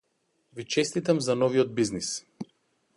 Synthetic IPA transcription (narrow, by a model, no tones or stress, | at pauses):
vit͡ʃɛst̪it̪amzanɔviɔd̪̚biznis